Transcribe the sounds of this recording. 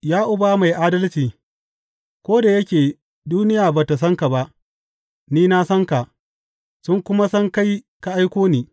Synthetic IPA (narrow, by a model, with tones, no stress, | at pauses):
jaː˦ʔʊ˦baː˨˦ma˨jʔaː˦dɐ˦lt͡ʃiː˨ | kʷoː˦da˨jɐ˦kʲeː˨ | duː˦nɪ˦jaː˨ba˨ta˨s̬ɐ˦ŋka˨ba˦ʔ | niː˦na˦sɐ˦ŋka˨ʔ | sʊ˦ŋkʷʊ˦ma˦sɐ˦ŋka˦j | ka˨ʔa˦jkʷoː˦niː˨